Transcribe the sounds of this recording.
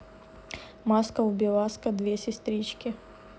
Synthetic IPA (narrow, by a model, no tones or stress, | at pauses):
maskəʊbʲɪlˠaskɐd̪vʲesʲɪst̪ɾʲit͡ɕkʲɪ